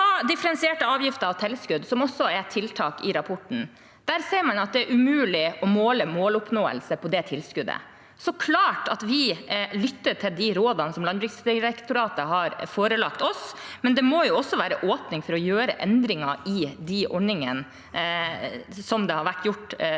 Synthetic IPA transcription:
ɖ̪ɪfəɾɛnsɪeːʈəɑːʋjɪft̪əɾɑʋt̪ʰɛlskʉd̪sɔmɔsːɔɛt̪ʰɪlt̪ʰɑːkɪɾɑpʰɔʈɳ̩ | d̪̥æɾseːɾmɑnɑt̪̚d̪ɛæɾʉmʉːlɪɔmoːləmoːlʊpnoːə̰lsəpʰɔd̪ɛt̪ʰɪlskʉd̪ə̰ | sɔkʰlɑːʈɑt̪ʋɪlʏt̪ːəʈʰɪld̪ɪɾoːd̪ɑnəsɔmlɑnbɾɪksd̪ɪɾɛkt̪ʊɾɑːt̪əɦɑɾfoːɾəlɑkt̪ɔsmɛnd̪ɛmojʊɔsːɔʋæːɾəʔoːpnɪŋfɔɾɔjøːɾəʔɛnd̪ɾɪŋɑɪd̪ɪʔɔɳɪŋən | sɔmd̪ɛhɑɾʋæʈːjʊʈː

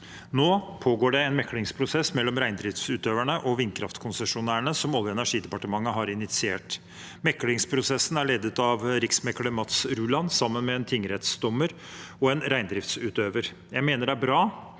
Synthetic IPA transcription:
noːpʰoːɡoːɖɛɛnmɛkːlɪŋspʰɾʊsɛsːmɛlːɔmɾæɪnd̪ɾɪft̪sʉːt̪øːʋæɳəʔɔʋɪnkʰɾɑft̪kʰʊnsɛʂʊnæːəɳəsɔmɔlːjʊɛnæʂiːd̪ɛpɑʈəmɑŋːəɦɑɾɪnɪt̪sɪeːʈ | mɛkːlɪŋspʰɾʊsɛsːən̩æɭeːd̪ət̪ɑʋɾɪksmɛkːɭəmɑt̪sɾʉːlɑnsɑmːənmɛɛnt̪ʰɪŋəɾɛt̪sd̪ɔmːəɾ | ɔɛnɾæɪnd̪ɾɪft̪sʉːt̪øːʋəɾ | jæɪmeːnəɖæbɾɑː

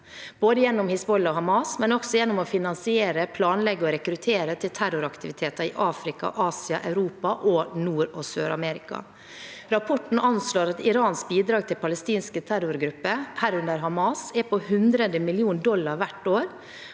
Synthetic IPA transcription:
b̥oːd̪əjɛnːɔmhɪsbɔlːɔɦɑmɑsmɛnɔksɔjɛnːɔmɔfɪnɑnsɪeːɾəpʰlɑːnlɛɡːɔɾɛkɾʉt̪ʰeːɾət̪ʰɪlt̪ʰæɾʊɾɑkt̪ɪʋɪt̪ʰeːt̪əɪ̰ʔɑːfɾɪkɑ̰ʔɑːsɪɑʔæʉɾuːpɑʔɔnuːɾɔsøːɾɑmɛɾɪkɑ̰ | ɾɑpʰɔʈɳ̩ɑnsloːɾɑt̪ɪɾɑːnsbiːd̪ɾɑːɡ̚t̪ʰɪlpʰɑləst̪iːnskət̪ʰæɾʊɾɡɾʉpːəhæɾʉnd̪əɾɦɑmɑsɛpɔhʉnd̪ɾəd̪əmɪlɪuːnd̪ɔlːɑɾʋæʈːoːɾ

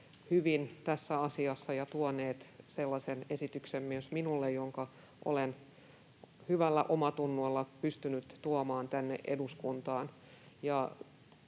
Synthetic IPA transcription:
hyʋint̪æsːæɑsiɑsːɑjɑt̪uoneːt̪selːɑsenesit̪yksemmyøsminulːejjoŋkɑ | ʔo̰len | hyʋælːæ̰ʔomɑt̪unːolːɑpyst̪ynyt̪t̪uomɑːnt̪ænːḛʔḛduskunt̪ɑːn | jɑ

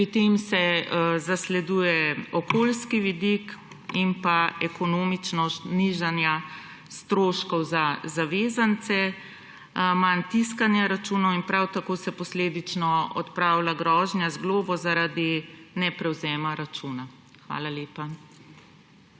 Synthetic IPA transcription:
pɾit̪emsɛzaslɛd̪uːjɛɔkoːlskiʋid̪ik | inpaɛkɔnoːmit͡ʃnɔst̪niʒanja | st̪ɾoːʃkɔwzazaʋeːzant̪sɛ | mant̪iskanjaɾat͡ʃuːnɔwinpɾawt̪akoːsɛpɔsleːd̪it͡ʃnɔɔ̰t̪pɾaːwlaɡɾɔːʒnjazɡloːbɔzaɾad̪inɛpɾɛwzɛːmaɾat͡ʃuːna | xʋa̰ːlaleːpa

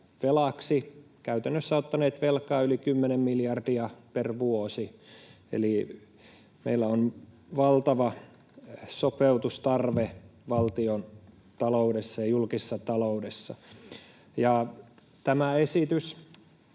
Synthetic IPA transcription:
ʋelɑksi | kæyt̪ænːøsːæot̪ːɑneːt̪ʋelkɑːylikymːenemmiljɑrdiɑperʋuosi | ḛli | mḛilːæon | ʋɑlt̪ɑʋɑ | sopeut̪ust̪ɑrʋeʋɑlt̪ion | t̪ɑloudesːɑjɑjulkisːɑt̪ɑloudesːɑ̰ | jɑ | t̪æmæesit̪ys

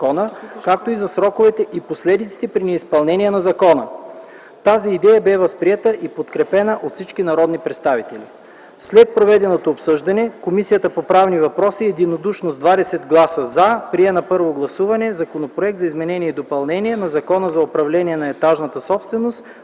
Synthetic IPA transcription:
kɔnəkak̚t̪oizɐsɾɔkovɛt̪ɛʔiposlɛd̪it̪si̥t̪ɛpɾinɛispɐlˠnɛnijɛnɐzɐkɔnə | t̪aziːd̪ɛjɐbɛvɐspɾiɛt̪əʔipot̪kɾɛpɛnəʔot̪fsit͡ʃkinɐɾɔd̪nipɾɛt̪st̪avit̪ɛli | slɛt̪̚pɾovɛd̪ɛnot̪oːpsɤʒd̪ɐnɛkomisijət̪əpopɾavnivɐpɾɔsiɛd̪inod̪uʃnosd̪vad̪ɛsɛd̪ɡlˠasəzapɾiɛnɐpɤɾvoɡlˠɐsuvɐnɛzɐkonopɾoɛk̚t̪zɐizmɛnɛniɛid̪opɐlˠnɛniɛnɐzɐkɔnəzɐopɾɐvlɛnʲiɛnɐɛt̪aʒnɐt̪əsɔpst̪vɛnost̪

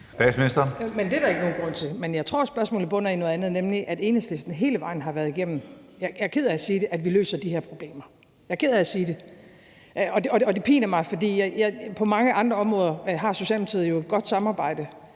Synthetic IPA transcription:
sd̥ɛ̥smiisd̥ɐmend̥e̝dæ̈e̝ɡ̥əno̝ːnɡ̥ʁɔ̽n̰t͡sʰe̝lmenjɑ̈ɪt͡sʰʁo̝̰ɐ̰sb̥ɶɐsmɔ̰lð̩ˠb̥ɔ̽n̰ɐino̽ðˠænð̩ˠnemliʔæd̥e̝ːnəsd̥esd̥n̩ɦe̝ːləʋɑ̈ɪ̰n̩ɦɑ̈ʋæːɐð̞ˠiɡ̥em̰n̩ | jɑɪjɑ̈ɪkʰeðˠɐæsiːde̝ʔæd̥ʋilø̰ːsɐd̥iheɐ̰pʰʁo̝b̥le̝̰ːmɐ | jɑɪkʰeð̰ˠɐæsiːd̥e̝ | ʔɒ̽ɒɒd̥e̝pʰḭːnɐmɑ̈ɪfɒ̽d̥ḭːjɪjɑɪpʰɒ̽mɑ̈ŋəʔɑ̈nd̥ʁɐɒ̽mʁɔ̽ːðˠɐɦɑ̈so̝ɕɛ̰lmet͡sʰið̩ˠjo̝e̝d̥̚ɡ̥ɒ̽d̥sɑ̈mɑ̈ːb̥ɑ̈ɪ̰d̥ə

